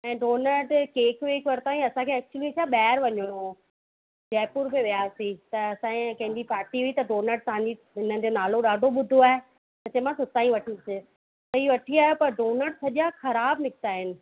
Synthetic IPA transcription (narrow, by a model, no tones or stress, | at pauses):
ɛ̃ːɖoːnəɖkeːkʋeːkʋɐɾt̪aːĩɐsãkʰeɛːk̚t͡ɕuəlit͡ɕaɓɛːɾʋɐɲoɽo | d͡ʑɛːpuɾbeʋijaːsit̪ɐɐsãkɐ̃ɦɪɲd͡ʑipaːɾʈiuit̪ɐɖoːnəɖ̚t̪ɐɦãɲd͡ʑi | ɪnəd͡ʑonaːloɗaːɖʱoɓʊd̪ʱoaːɦe | t̪ɐt͡ɕɐɦmãsʊt̪aːĩʋɐʈʰisɪ | t̪ɐɦiːʋɐʈʰiaːjopɐɾɖoːnəɖsɐʄjaxɐɾaːbnɪkʰt̪aːɦɪnɪ̆